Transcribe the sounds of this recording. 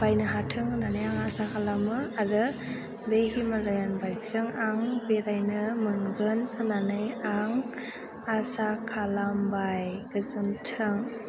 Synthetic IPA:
b̥ajnɯɦatʰɯŋɯnanajaŋasakʰalamɯaɾɯ | behimalɯjanbajkzɯŋaŋbeɾajnɯmɯŋɡɯnɯnanɯjaŋ | asakʰalambajɡɯzɯntʰɯŋ

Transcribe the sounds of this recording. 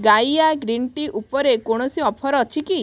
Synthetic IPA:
ɡajaɡɾiɳʈiʔupɔɾekoɽ̃ɔsiɔpʰɔɾɔɔt͡ʃʰiki

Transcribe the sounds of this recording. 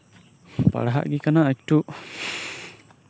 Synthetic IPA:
pa̰ɽaɦa̰ʔɡikanaʔak̚ʈuʔ

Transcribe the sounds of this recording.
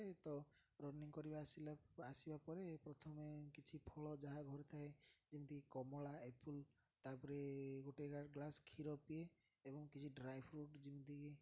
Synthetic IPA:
et̪ɔ | ɾɔniŋkɔɾibasilasibapɔɾepɾɔt̪ʰɔmekit͡ʃʰipʰɔɭɔd͡ʒaɦaɡʱɔɾɔt̪ʰaed͡ʒimt̪ikkɔmɔɭaepʰul | t̪apɔɾeɡoʈeɡaɡlaskʰiɾɔpieː | bɔŋkit͡ʃʰiɖɾajbʰɾuʈd͡ʒimit̪ike

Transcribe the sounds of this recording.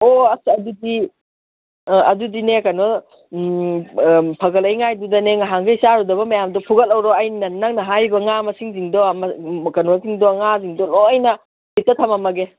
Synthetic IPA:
oɐsiɐdudi | ɐdudinekɐno | pʰɐɡɐlɐjŋajdudɐneŋaɦaŋɡejsaɾudɐbɐmɐjamdɔpʰuɡɐlɐwɾɔajninɐnnːaŋnɐɦajbɐŋamɐsiŋziŋdɔmkɐnosiŋdɔŋaziŋdɔlɔɐjnɐ | hitɐtʰɐmɐmɐɡe

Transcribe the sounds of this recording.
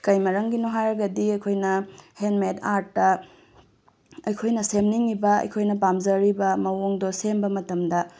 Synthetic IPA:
kɐjmɐɾɐŋɡinoɦajɾɐɡɐdiɐjkʰojnɐhenmetʰaɾtːɐ | ɐjkʰojnɐsemniŋːibɐɐ̰jkʰojnɐbamzɐɾibɐmɐwoŋdosembɐmɐtɐmdɐ

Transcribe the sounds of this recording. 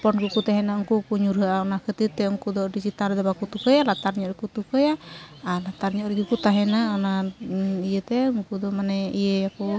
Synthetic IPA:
pɔnɡukut̪aɦɛnaɔŋkukuɲuɾɦaaɔnakət̪it̪ɛɔŋkud̪ɔdisit̪aɾd̪ɛbakut̪ukəjalat̪arɲɔɾikut̪ukəjaalat̪arɲɔɾiɡukut̪aɦɛnaɔna | ijet̪ɛŋkud̪ɔmanɛijeaku

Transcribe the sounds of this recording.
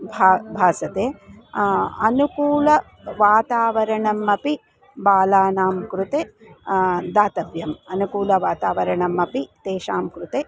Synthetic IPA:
bʱaːbʱaːsɐt̪eː | ɐnukuːlɐ | ʋaːt̪aːʋɐɾɐɳɐmːɐpi | baːlaːnaːmkɾut̪eː | d̪aːt̪ɐʋjɐmɐnukuːlɐʋaːt̪aːʋɐɾɐɳɐmɐpit̪eːʃaːmkɾut̪eː

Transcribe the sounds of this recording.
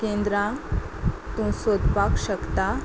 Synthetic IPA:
kend̪ɾã | t̪ũsod̪pakɕəkt̪a

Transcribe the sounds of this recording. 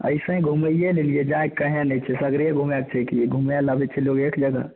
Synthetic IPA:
ə̰ɪsə̃ɡʱuməijelelijed͡ʒaekəɦɛ̃nɛt͡ʃʰɛsəɡɾijeɡʱumjakt͡ʃʰɛkiɡʱumjalabɛt͡ʃʰɛloɡekd͡ʒəɡə̰

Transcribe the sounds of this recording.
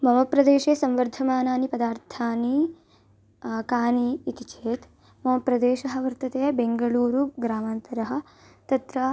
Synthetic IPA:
mɐʋɐpɾɐd̪eːʃeːsɐmʋɐɾd̪ʱɐmaːnaːnipɐd̪aːɾt̪ʰaːni | kaːniːt̪it͡ʃʰeːt̪ | mɐmɐpɾɐd̪eːʃɐɦɐ̆ʋɐɾt̪ɐt̪eːbeŋɡɐɭuːɾuɡɾaːmaːnt̪ɐɾɐɦɐ̆ | t̪ɐt̪ɾɐ

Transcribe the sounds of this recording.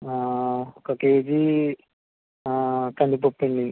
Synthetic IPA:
akɐkeːd͡ʒi | at̪ɐɳɖipopːeɳɖi

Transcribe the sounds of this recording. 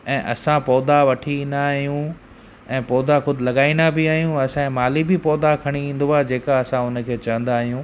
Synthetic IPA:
ɛ̃ːʔɐ̰sãpɔːd̪aʋɐʈʰiĩːnd̪aːɦijũ | ɛ̃ːpɔːd̪axʊd̪ʱɪlɐɠaːĩːnd̪abɪaːɦijũɐsãɛ̃maːlibɪpɔːd̪akʰɐɽ̃iĩːnd̪uaːɦed͡ʑeːkaɐsãʊnə̆kʰeːt͡ɕɐʋə̃nd̪aːɦijũ

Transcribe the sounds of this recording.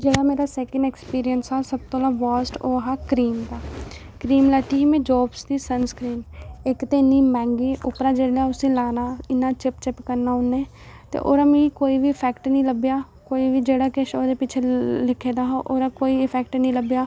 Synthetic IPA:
d͡ʒeːɽaːmeːɾaːsɛːkə̃ɳɖɛːkspiːɾijənsaːsəb̚t̪õːlãːʋaːsʈoːɦaːkɾiːmd̪aː | kɾiːmləːt̪iːɦiːmẽːd͡ʒɔːbsd̪iːsənskɾiːnɪkt̪eːniːmɛ̃ːŋɡiːʔʊpɾãːd͡ʒeːɽaːʊsĩːlaːnaːɪnːaːt͡ʃɪpt͡ʃɪpkəɾnaːʊnːẽː | t̪ḛːʔo̰ːɾaːmĩːkoːiːʋiːpʰɛːkʈnĩːləbjaː | koːiːʋiːd͡ʒeːɽaːkɪʃoːd̪eːpɪt͡ʃʰeːlɪkʰːeːd̪aːɦʔoːɾaːkoːiːɪpʰɛːkʈnĩːləbjaː

